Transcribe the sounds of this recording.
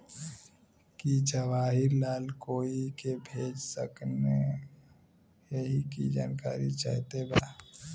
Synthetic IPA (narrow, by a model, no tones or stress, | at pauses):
kit͡ʃəʋaːɦɪɾlaːlkoːikebʱeːd͡ʒsə̰kne | eɦikid͡ʒaːnkaːɾit͡ʃa̰ɦt̪eba